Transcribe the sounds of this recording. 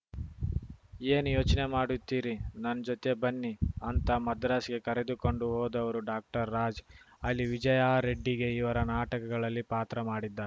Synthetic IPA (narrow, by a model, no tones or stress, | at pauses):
e̞ːnjoːt͡ʃɐne̞maːɽut̪ːiːɾinɐnːɐd͡ʒot̪e̞bɐnːiɐnt̪ɐmɐd̪ɾaːsɡe̞kɐɾe̞d̪uko̞ɳɖuɦoːd̪ɐʋɐɾuɖaːk̚ʈɐɾːaːd͡ʒ | ɐlːiʋid͡ʒɐjaːɾe̞ɖːiɡe̞iʋɐɾɐnaːʈɐkɐɡɐɭɐlːipaːt̪ɾɐmaːɽid̪ːaːɾe